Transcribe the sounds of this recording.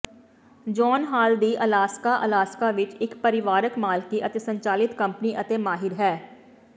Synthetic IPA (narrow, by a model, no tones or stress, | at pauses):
d͡ʒɔːnɦaːld̪iʔəlaːskaʔɐ̰laːskaʋɪt͡ʃɪkpəɾɪʋaːɾəkmaːlkiʔɐt̪esə̃ɲt͡ʃaːlɪt̪kɐ̃mpniʔɐt̪emaːɦɪɾɦɛː